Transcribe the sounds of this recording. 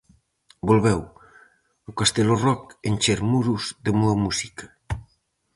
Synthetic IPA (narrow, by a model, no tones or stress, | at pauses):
bolβɛw | ukast̪elorɔkenʲt͡ʃeɾmuɾuzðemuɐmusikɐ̥